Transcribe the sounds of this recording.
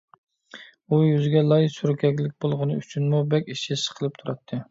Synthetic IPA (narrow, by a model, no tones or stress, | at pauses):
ujyzɡʲɛlˠɑjsuɾkʲʰɛkʲlɪk̚ʲbolˠʁənɨyt͡ʃʰynmubɛkʲiʃisə̥qʰəlˠɨp̚t̪ʰuɾɑt̪ʰːɨ